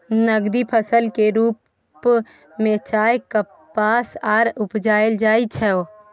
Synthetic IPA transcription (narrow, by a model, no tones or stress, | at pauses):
nəɡd̪ipʰəsəlkeɾuːp | mẽt͡ʃaːjkə | pːasaːɾʊpd͡ʒaːeld͡ʒaːit͡ʃʰɛo